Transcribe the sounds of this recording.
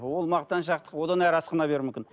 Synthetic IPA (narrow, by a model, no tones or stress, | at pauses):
wo̞lˠmɑqt̪ːɑnʃ̬ɑqt̪ə̥qwo̞d̪ɑnæɾɑsqənɑbe̞ɾmʏmkʲɪn